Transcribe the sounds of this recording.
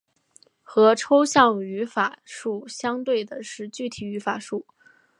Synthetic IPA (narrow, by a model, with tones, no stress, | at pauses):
xɤ˧˥ʈ͡ʂʰo˥ʊɕjɑ˥˩ŋy˧˥fa˨˩ʂu˥˩ɕjɑ˥ŋt̪we˥˩ɪd̪ə˩ʂɻ̩˥˧t͡ɕy˥˩t̪ʰi˨˩y˧˥fa˨˩ʂu˥˩